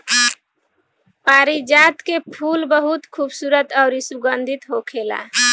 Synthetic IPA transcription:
paːɾid͡ʒaːt̪kepʰuːlbəɦʊt̪kʰuːbsuːɾət̪ɔːɾisuɡənd̪ʱit̪ɦokʰeːla̰

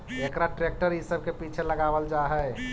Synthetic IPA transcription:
ekɾaʈɾek̚ʈəɾisəb̚kepit͡ʃʰeləɡabəld͡ʒaɦɛ

